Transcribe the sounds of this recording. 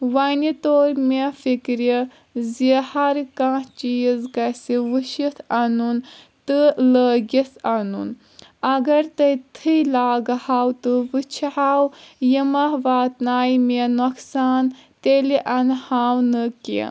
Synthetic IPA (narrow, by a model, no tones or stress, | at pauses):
ʋɐnit̪oːɾmifikɾi | zihɐɾkãːt͡ʃiːzkɐsiʋɨʃit̪ʰɐnun | t̪ɨləːɡʲisanṵn | ɐɡɐɾt̪ɐjt̪ʰɨlaːɡhaːwt̪ɨʋɨt͡ʃʰɦaːwjimɐɦʋaːt̪naːjminoksaːnt̪eliʔɐnhaːwnɨkḭ